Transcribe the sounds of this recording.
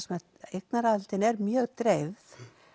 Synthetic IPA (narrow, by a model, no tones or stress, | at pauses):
smɛ | ejk̚naɾaðlt̪ɪnɛɾmjœːɣt̪ɾejvθ